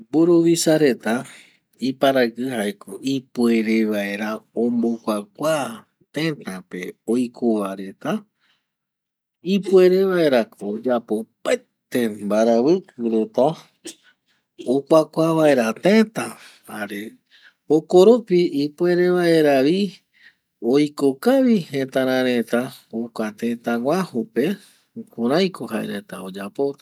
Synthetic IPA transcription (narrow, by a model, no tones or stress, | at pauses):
boɾoʋisaɾe̞t̪a | ipaɾaɡɨhaekoipwe̞ɾeʋaeɾaõmbokʷak̚ʷa | t̪ẽt̪ape̞ojkʰoʋaɾe̞t̪a | ipue̞ɾe̞ʋaeɾakod͡ʒapo̞pa | t̪embaɾaβɨkuɾot̪õ | okʷakʷaβaeɾat̪ẽt̪ã | haɾe | okoɾopiipue̞ɾe̞ʋae̞ɾaʋi | ojkokaʋihẽt̪ãɾ̃ãɾẽt̪aokʷat̪ẽt̪ãŋʷahupe̞ | kõɾ̃ãj̃kʰoha̰ḛɾe̞t̪aod͡ʒapo̞t̪a